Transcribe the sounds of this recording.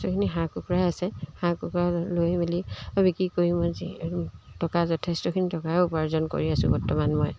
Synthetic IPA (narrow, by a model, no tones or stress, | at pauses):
tɔkʰiniɦakukɹajasɛhãkukɹalojmiliɔbikɹikoɹĩmozḭtɔkazɔtʰestɔkʰinitɔkapaɹzɔnko̰ɹiasʊ̰̃bɔɹtɔmanmɔj